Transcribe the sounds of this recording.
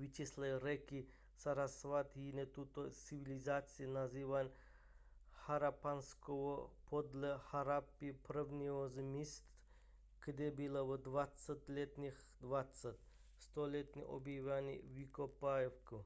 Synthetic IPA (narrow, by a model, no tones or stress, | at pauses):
ʋit͡ʃislˠaɾɛki | saɾasʋat̪jinet̪ut̪ot͡siʋilʲizat̪sʲinaziʋanʲ | haɾapanskoʋopʰod̪lʲɛhaɾapipɾəʋnʲiozmʲist̪ | kd̪ebilaʋəd̪ʋat̪sət̪ʲlʲet̪nʲix | d̪ʋat̪sat̪̚ʲ | st̪olʲet̪nʲḭʔo̰bjiʋʲanʲḭʋikopajefku